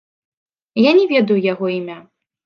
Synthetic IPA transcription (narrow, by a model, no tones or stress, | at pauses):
janʲɛvʲɛd̪ɐjujaɣɔimʲa